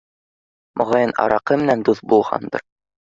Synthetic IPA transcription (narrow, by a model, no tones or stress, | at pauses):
mʔŏʁɑjɤnɑ̰ɾɑqɤmɘ̆nænd̪uθbulˠʁɑ̰nd̪ɤ̰ɾ